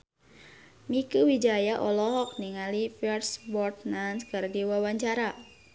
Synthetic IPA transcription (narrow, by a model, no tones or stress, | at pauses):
mikuwid͡ʒajaʔɔlɔɦɔk̚niŋalifɛrsbɔrt̪nanskɨrdiwawaɲt͡ʃaɾa